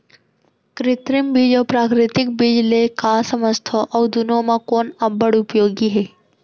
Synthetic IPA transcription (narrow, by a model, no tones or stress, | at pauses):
kɾɪt̪ɾɪmbiːd͡ʒɔːpɾaːkɾɪt̪ɪk̚bid͡ʒlekasəməst̪ʰɔʔɔːd̪ʊnõmãkɔːnɐbəɽʊpjoːɡiɦɛː